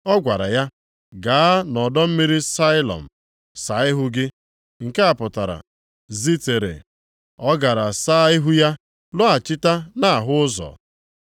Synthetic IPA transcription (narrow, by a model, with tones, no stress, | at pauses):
ɔ˦ɡʷa˨ɾa˨ja˦ | ɡaː˨a˦nɔ˨dɔ˦m̩˦mi˦ɾi˦sa˦ɪ˦lɔ̰˨m̩˨ | sa˨˦ɪ˦ɦʊ˦ɡɪ˦ | ŋ̩˨ke˦a˨pʊ˨ta˨ɾa̰˨ | zi˦te˨ɾḛ˨ | ɔ˦ɡa˨ɾa˨sa˦ɪ˦ɦʊ˦ja˦ | lʊ˦a˨t͡ʃɪ˦ta˦na˦˨ɦʊ˦ʊ˦zɔ̰˨